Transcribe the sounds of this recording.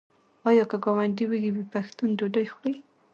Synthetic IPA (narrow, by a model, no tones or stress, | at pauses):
ɑjɑkaɡɑwaɳɖiweɡibipaxt̪undoɖajxej